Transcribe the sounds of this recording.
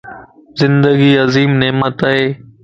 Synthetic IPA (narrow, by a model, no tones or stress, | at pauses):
zɪ̃nd̪əɡiːɐziːmneːmət̪aːɦeː